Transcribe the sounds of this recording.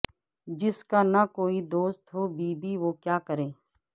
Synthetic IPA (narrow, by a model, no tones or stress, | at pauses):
d͡ʒɪskanakoːid̪oːst̪ɦobiːbiʋoːkjaːkəɾẽː